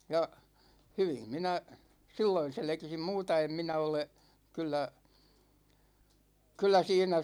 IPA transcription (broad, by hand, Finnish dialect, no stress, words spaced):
jɑ hyʋim minæ silːoin̞ selĕkisim muːtɑ em minæ ole kylːæ kylːæ siːnæ